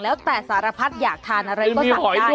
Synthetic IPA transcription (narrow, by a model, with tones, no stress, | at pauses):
lɛː˦˥wt̪ɛː˨˩saː˩˦ɾa˧pʰa˦˥t̪̚jaː˨˩k̚t̪ʰaː˧nʔa˧ɾa˧jɔː˥miː˧˩hɔ˨˩˦j